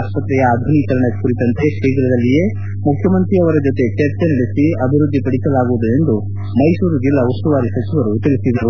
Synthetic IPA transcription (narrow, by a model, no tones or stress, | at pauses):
spɐt̪ɾɛjɐaːd̪ʱunit̪ɐɾɐɳɐkkuɾit̪ɐnt̪e̞keːɡɾɐd̪ɐlːije̞ː | mukʰjɐmɐnt̪ɾiɐʋɐɾɐd͡ʒot̪e̞t̪eɾt͡ʃ̪eniɽisiɐbʱiɾud̪ʱːipɐɽisɐlaːɡuʋud̪ue̞nd̪u | mɐjsuːɾud͡ʒilːɐust̪uʋaːɾisɐt͡ʃiʋɐɾut̪ilisid̪iɾu